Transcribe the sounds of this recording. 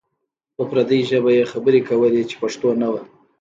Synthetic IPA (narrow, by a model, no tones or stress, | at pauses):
pəpɾad̪əjʒəbajexabəɾekawəlet͡ʃe̥paʂt̪onawa